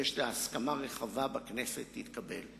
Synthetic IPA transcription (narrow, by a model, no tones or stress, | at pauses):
jeʃleaskamaʁeχavabaknesetːit̪kabel